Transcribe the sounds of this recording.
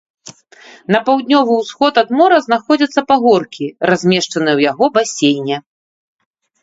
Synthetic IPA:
nɐpawd̪ʲnʲɔvɨwsxɔt̪ɐd̪mɔɾɐzn̪axɔd͡zʲɐt̪sːɐpaɣɔrkʲirazʲmʲɛʂt͡ʂɐnɨjɛwjaɣɔbasʲejnʲɛ

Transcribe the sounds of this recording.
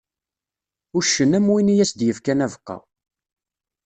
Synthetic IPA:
ʊʃːənæmwinijæsd̪jəfkænævəqːɑ̰

